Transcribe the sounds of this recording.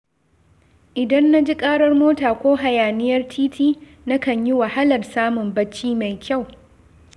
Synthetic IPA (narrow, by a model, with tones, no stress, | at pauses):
ʔɪ˨dɐ˦nːa˦d͡ʒi˦kʼaː˦ɽɐ˦rmoː˦taː˨kʷoː˦ɦa˨jaː˨nɪ˦jɐ˦rtʰiː˦tʰiː˦ | na˦kɐ˨ɲji˦wa˨ha˦lɐ˨rsaː˦mʊ˨mbɐ˦t͡ʃːiː˦ma˨jkʲʰa˦˨w